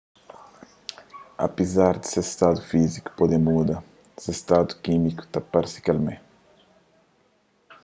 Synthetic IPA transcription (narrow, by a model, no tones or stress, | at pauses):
a̰pizaɾd̪ɪ̥sest̪ad̪ufiziku̥pod̪emud̪ɐ | sest̪ad̪u̥kimiku̥t̪apaɾsi̥kalmẽ